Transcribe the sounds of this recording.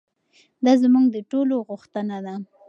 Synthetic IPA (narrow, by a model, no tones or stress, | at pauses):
d̪ɑzmuŋɡd̪əʈoloɣuxt̪ənad̪a